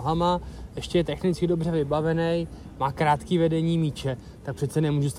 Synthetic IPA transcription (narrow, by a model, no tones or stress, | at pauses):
ɦamaʔɛʃcɛjɛt̪ɛxnɪt͡skɪdo̞br̝ɛvɪbavɛnɛjmaːkɾaːt̪kiːvɛdɛɲiːmiːt͡ʃɛ | t̪ak̚pr̥ɛt̪t͡sɛnɛmuːʒust̪